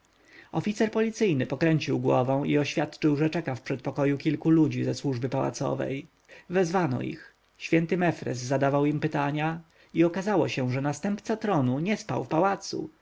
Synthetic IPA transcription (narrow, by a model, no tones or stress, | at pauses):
ɔfʲit̪sɛɾpɔlʲit̪sɘjnɘpɔkɾɛɲt͡ɕiwɡwɔvɛ̃w̃iɔɕfʲjat̪t͡ʂɘwʐɛt͡ʂɛkafpʂɛt̪̚pɔkɔjukʲilkulud͡ʑizɛswuʐbɘpawa̰t̪sɔ̰vɛ̰j | vɛzvanɔ̰ḭx | ɕfʲjɛnt̪ɘmɛfɾɛ̰szad̪avawimpɘt̪aɲa | iɔkazawɔɕɛʐɛnast̪ɛmpt̪sat̪ɾɔnuɲɛspa̰wfpawat̪sṵ